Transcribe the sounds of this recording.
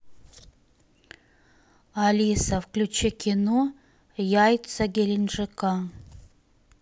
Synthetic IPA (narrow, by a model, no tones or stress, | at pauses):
alʲisɐfklʲut͡ʃekʲʰino | jajtt͡sɐɡʲelʲinʐɨka